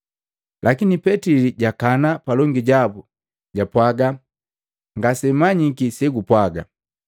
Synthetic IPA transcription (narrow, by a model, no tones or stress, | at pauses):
lʔakinipɛtiliɟakanapalɔŋɡiɟabu | ɟapwaɡa | ŋɡasɛmaɲikisɛɡupwaɡa